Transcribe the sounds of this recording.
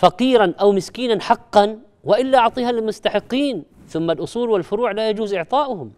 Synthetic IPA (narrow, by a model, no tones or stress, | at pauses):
fɑqiːɾanʔawmɪskiːnanħɑqːɑn | wɪʔɪlːaʕt̪ˤiːhalɪmʊst̪aħɪqːiːn | θʊmːalʔʊsˤuːlwɪlfʊɾuːʕlajad͡ʒuːzʔɪʕt̪ˤɑːʔʊhʊm